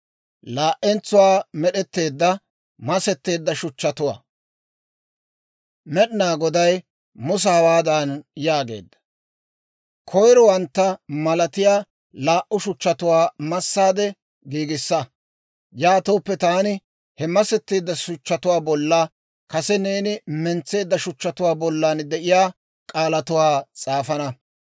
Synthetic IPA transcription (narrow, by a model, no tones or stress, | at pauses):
laːʔːɛnt͡sːʊwaːmɛɗɛt̪ːe̞ːd̪ːɐ | mɐsɛt̪ːe̞ːd̪ːɐʃʊt͡ʃːɐt̪ʊwa̰ː | mɛɗɪnaːɡɔd̪ɐj | mʊs̬ɐhɐwaːd̪ɐnjaːɡe̞̰ːd̪ːɐ̥ | kʰɔjɾɔwɐnt̪ːɐmɐlɐt̪ɪjaː | laːʔʊʃʊt͡ʃːɐt̪ʊwaːmɐsːaːd̪ɛ | ɡiːɡɪsːɐ | jaːt̪oːpːɛt̪aːnɪ | hɛmɐsɛt̪ːiːd̪ːɐʃʊt͡ʃːɐt̪ʊwaːbɔlːa | kɐsɛneːnɪmɛnt͡sːe̞ːd̪ːɐʃʊt͡ʃːɐt̪ʊwaːbɔlːand̪ɛʔɪjaː | kʼaːlɐt̪ʊwaːt͡sʼaːfɐnɐ